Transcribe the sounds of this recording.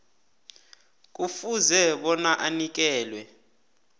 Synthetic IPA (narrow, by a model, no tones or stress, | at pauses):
k̬ʼufuzɛɓɔnaʔanik̬ʼɛːlwɛ